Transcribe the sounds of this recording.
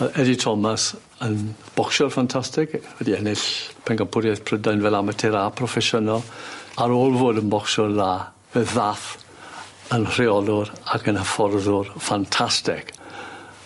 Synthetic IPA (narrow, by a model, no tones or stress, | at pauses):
ɛditʰɔmas | ənb̥ɔkʃɔrfantʰastɪkvɛdiɛnɪɬpʰɛŋɡampʰʊɾjaθpʰrədajnvɛlˠamətʰɪɾapʰrɔfɛʃənɔlˠaɾoːlˠvoːdənbɔksɔrðaː | vɛðːaθ | ənr̥ɪɔlˠʊɾakʰənəfɔrðʊrfantʰastɪk